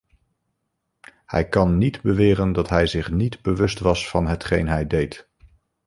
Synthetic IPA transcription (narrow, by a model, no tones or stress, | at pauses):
hɛ̰jkɑnːidbəʋɪːrəndɑtɦɛjzɪχnidbəʋɵstʋɑsfɑnɦətχejnɦɛjdejt